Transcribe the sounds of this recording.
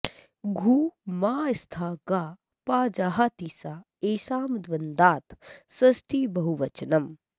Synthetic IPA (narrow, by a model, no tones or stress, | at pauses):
ɡʱuːmaːist̪ʰaːɡaː | paːd͡ʒaːɦat̪iːsaː | eːsaːmd̪ʋɐnd̪aːt̪sɐsʈʰibɐɦuʋɐt͡ʃɐnɐm